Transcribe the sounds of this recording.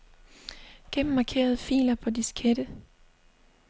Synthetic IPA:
ɡ̥enm̩ːɑ̈kʰe̝̰ːɐð̞ˠfḭːlɐpʰɒ̽d̥iskʰed̥ə

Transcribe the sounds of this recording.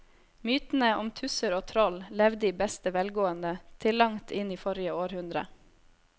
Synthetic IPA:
myːt̪n̩əɔmt̪ʰʉsəɾoːt̪ʰɾɔllɛʋd̪iːbɛst̪əʋɛlɡoːənd̪ət̪ʰɪlːɑŋt̪ʰɪniːfɔɾɪəoːɾhʉnd̪ɾə̰

